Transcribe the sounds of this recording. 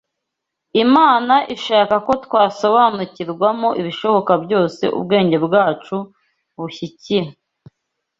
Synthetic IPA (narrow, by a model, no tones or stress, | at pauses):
imaːnaʔiʃaːkako̞twaːso̞βanuciɾɡwamoʔiβiʃo̞βo̞kabjo̞ːse̞̰ʔṵb̚ɡe̞ːɲɟe̞bɡaːt͡ʃu | βuçiciɾe